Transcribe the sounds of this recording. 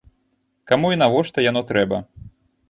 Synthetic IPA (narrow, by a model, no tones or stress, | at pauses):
kamuinavɔʂt̪ɐjanɔt̪ɾɛbɐ